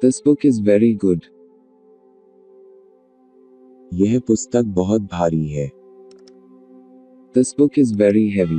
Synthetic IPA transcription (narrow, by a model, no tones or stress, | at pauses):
t̪ɐsbʊkɪzʋɛɾiɡʊɖ | jɛɦpʊst̪ək̚bɔɦʊt̪̚bʱaːɾiɦɛː | t̪ɐsbʊkɪzʋɛɾiɦɛʋi